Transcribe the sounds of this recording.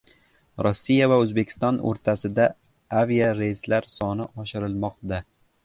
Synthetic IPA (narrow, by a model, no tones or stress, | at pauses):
ɾɒsːijavaɵzbekʲʰɪ̥st̪ɒno̰ɾt̪ʰasɪd̪a | avijaɾeslaɾsɒnɪʔɒʃɪɾɪlˠmɒqd̪a